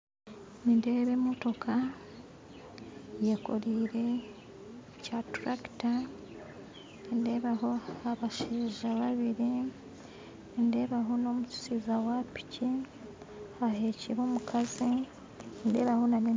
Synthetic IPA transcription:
ninde̞ːβemoto̞kʰa | jeko̞̰ɾiːɾe̞ | catɾaki̥ta | nde̞βaho̞aβaʃiːʒaβaβiɾi | nde̞ːβaɦo̞no̞ːmut͡ʃu̥sizawapi̥ci | aheːciɾoːmukʰazi | nde̞ːβahonane

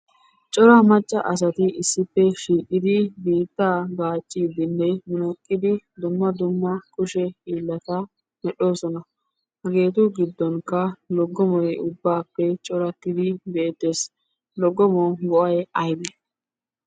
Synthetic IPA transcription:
t͡ʃʼɔɾɐmɐt͡ʃʼːɐʔɐs̬ɐt̪ɪɪsːɪpːɛʃiːkʼːɪd̪ɪbiːt̪ːaːɡaːt͡ʃʼːiːd̪ɪnːɛmɪnɔkʼːɪd̪ɪd̪ʊmːɐd̪ʊmːɐkʼʊʃɛhiːlːɐt̪ɐ | mɛɗo̞ːsɔnɐ | hɐɡe̞ːt̪ʊɡɪd̪ːɔnkːɐlɔɡːɔmɔjʊbːaːpːɛt͡ʃʼɔɾɐt̪ːɪd̪ɪbɛed̪eːs | lɔɡːɔmɔɡɔʔɐjɐjb̪ɛ

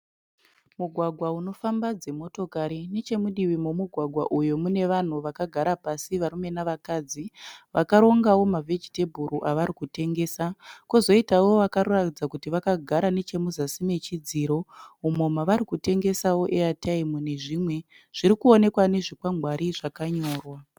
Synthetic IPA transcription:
muɡʱwaɡʱwauno̞fambad͡ze̞mo̞to̞kaɾine̞t͡ʃe̞muɗiwimomuɡʱwaɡʱwaʔujo̞mune̞ʋan̤uʋakaɡʱaɾapasiʋaɾume̞naʋakaːd͡ziʋakaɾo̞ŋɡawo̞mavʱe̞d͡ʒite̞bʱuɾuʔaʋaɾikute̞ŋɡe̞ːsakozo̞itawo̞ʋakaɾuratid͡zakutiʋakaɡʱaɾane̞t͡ʃe̞muzasime̞t͡ʃid͡ziɾo̞umomaʋaɾikute̞ŋɡe̞sawo̞ʔeatʰaimune̞ʐimwe̞ | ʐ̥iɾikuo̞ne̞kwane̞ʐikwaŋɡʱwaɾiʐakaɲo̞ːrwa

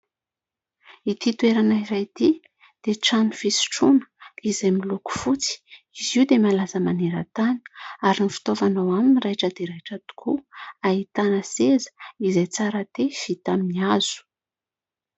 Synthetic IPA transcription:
it̪it̪ueɾanairajt̪i | d̪̥eʈ͡ʂanifisi̥ʈ͡ʂunə̥izajmiluku̥fut͡si̥ | iziwd̪emalazəmaneɾət̪ani̥aɾinifi̥t̪ovanawaminirajʈ͡ʂəd̪eɾajʈ͡ʂat̪u̥kʰuait̪anəsezə̥izajt͡saɾat̪efit̪aminiaz̥u̥

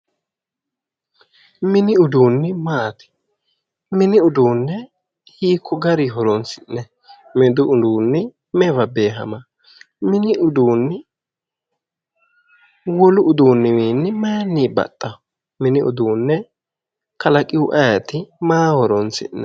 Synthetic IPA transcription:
mɪnɪʊd̪uːnːɪmaːt̪ɪ̥ | mɪnɪʊd̪uːnːɛ | hiːkʰːɔɡɐɾiɦɔɾɔnsɪnːɛ | mɪd̪ʊʊd̪uːnːɪ | mɛvɐbe̞ːɦɐ̰mɐ | mɪnɪʊd̪uːnːɪ | wɔlʊʔʊd̪uːnːɪmiːnːɪmɐjnːiːbɐ̰t̪ʼːɐ | mɪnɪʊ̰d̪uːnːɛ | kɐlɐkʼɪʊʔɐjɐt̪ɪmaːhɔɾɔnt͡sɪ̰nːɛ

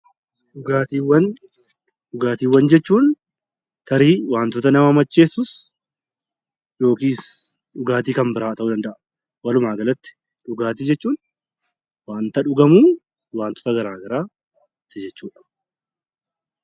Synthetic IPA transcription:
ᶑʊɡaːt̪iːwːɐn | ᶑʊɡaːt̪iːwːɐnd͡ʒɛt͡ʃːuːn | t̪ʰɐɾiːwaːnt̪ɔt̪ɐnɐmɐmɐt͡ʃːe̞ːsːʊs | jo̞ːkiːs | ᶑʊɡaːt̪iːkɐmbɪɾaːt̪ɐʔuːd̪ɐnd̪ɐʔɐ | wɐlʊmaːɡɐlɐt̪ːɪ̥ | ᶑʊɡaːt̪iːd͡ʒɛt͡ʃːuːn | waːnt̪ɐᶑʊɡɐmuː | waːnt̪ɔ̥t̪ɐɡɐɾaːɡɐɾaː | t̪ːɪd͡ʒɛt͡ʃːuːᶑɐ̥

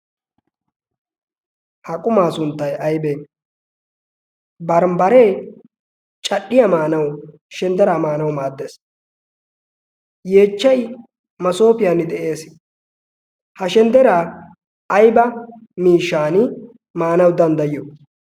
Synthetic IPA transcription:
hɐkʼʊmaːsʊnt̪ːɐjɐjbeːn | bɐɾmbɐɾe̞ː | t͡ʃʼɐɗːɪjɐmaːnɐw | ʃɛnd̪ɛɾaːmaːnɐwmaːd̪ːeːs | je̞ːt͡ʃːɐj | mɐso̞ːpɪjaːnːɪd̪ɛʔe̞ːs | hɐʃɛnd̪ɛɾaː | jbɐ | miːʃːaːnɪ | maːnɐwd̪ɐnd̪ɐjɪjo

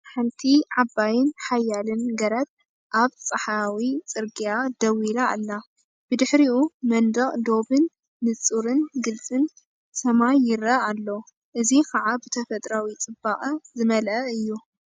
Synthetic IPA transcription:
ħɨnt̪ʰiʕabːajɪnħajːalɨnɡɐɾɐt̪̚ʼ | ʔaβt͡sʼɐħawit͡sʼɨɾɡiad̪ɐwila̰ːlːa | b̥ɨd̪ɨħɾiʔumɐnd̪ɐχʼd̪o̞bɨnː | ɨt͡sʼuɾɨnɡɨlt͡sʼɨn | sɐmajːɪɾɐalːo | ʔɨzikʰɐʕabɨt̪ʰɐfɐt̪ʼɾawit͡sʼɨbːaχʼɐzɨmɐlʔɐɨjːu

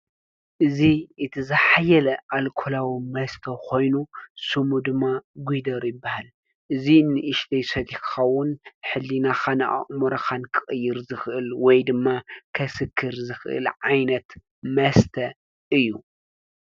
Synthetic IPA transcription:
ʔɨziɨt̪ʰɨzɨħajɐlɐʔalkʰo̞lawimɐst̪ʰɐkʰo̞jnusɨmud̪ɨmːaɡʷujd̪ɐɾjɨbːahal | ʔɨzinːɨʔɨʃd̪ɐjsɐd̪ikxɐwʊnħɨlːinaxana̰ʔa̰ʔʼmuɾɐxankʰɨxʼɨjːɪɾzɨxʔɨlwɔjd̪ɨmːakʰɐsɨkʰːɨɾzɨxʔɨ̰lʕajnɐt̪ | mɐst̪ʰɐ | ʔɨjːu

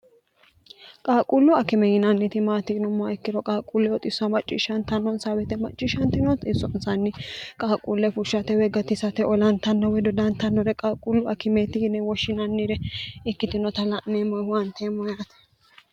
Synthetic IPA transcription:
kʼaːkʼulːʊɐkɪmɛjɪnɐnːɪt̪ɪmaːt̪ɪnɔmɔaɪkːɪɾɔkʼaːkʼulːɛɔt̪ʼɪsːɐmɐt͡ʃʼːɪ̰ʃɐnt̪ɐnːɔnsabɛt̪ɛmɐt͡ʃʼːɪʃɐnt̪ɪnɔt̪ʼɪsːɔnsɐnːɪkʼaːkʼulːɛfʊʃːɐt̪ɛwɛɡɐt̪ɪsɐt̪ɛʔɔlɐnt̪ɐnːɔwɛd̪ɔd̪ɐnt̪ɐnːɔɾɛkʼaːkʼʊlːʊɐkɪmɛt̪ɪɪnɛwɔʃːɪnɐnːɪɾɛɪkːɪt̪ɪnɔt̪ɐlɐnːemɐwɐnt̪eːmːɔjaːt̪ɛ̥

